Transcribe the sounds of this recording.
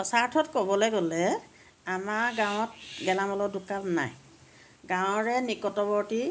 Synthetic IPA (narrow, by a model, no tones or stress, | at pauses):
pɔsaɹtʰɔtkobɔleɡolɛ | amaɹɡãw̃ɔt̚ɡɛlamɔlɔdukalna̰j | ɡãw̃ɹɛnikɔtɔbɔɹti